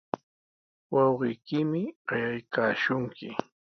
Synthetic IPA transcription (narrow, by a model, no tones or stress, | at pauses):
wɑwɢɪjkɪmɪɢɑjajkaːʃʊŋkɪ